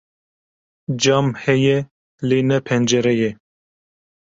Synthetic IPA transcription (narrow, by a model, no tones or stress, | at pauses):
d͡ʒɑːmhɛjɛ | leːnɛpʰɛnd͡ʒɛɾɛjɛ